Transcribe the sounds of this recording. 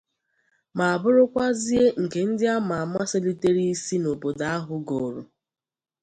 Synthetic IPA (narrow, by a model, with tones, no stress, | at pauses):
ma˨a˨bʊ˦ɾʊ˦kʷa˦zi˦e˦ŋ̩˨ke˨n̩˦dɪ˦a˦ma˨a˨ma˦se˦li˦te˦ɾi˦i˦si˦no˨po˨da˨a˦ɦʊ˦ɡo˨ɾo˨